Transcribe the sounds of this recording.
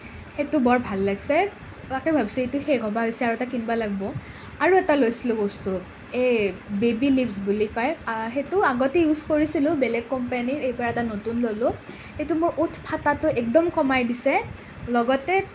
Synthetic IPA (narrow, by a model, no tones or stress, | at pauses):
xetʊbɔɹbʱalːaɡsɛ | akɛbʱabisɛetʊxejɡʱɔbaɦojsɛaɹuɛtakinbalaɡ̚bɔ | aɹuɛtalojsilʊ̃bɔstu | ejbebilipsbulikɔjxetʊaɡotɛjuzkoɹisilʊ̃bɛlɛɡ̚kɔmpaniɹejpɔɹaɛtanotunlolʊ | xetumʊɹʔutʰpʰatatʊʔɛk̚dɔmkɔmajdisɛ | lɔɡɔtɛ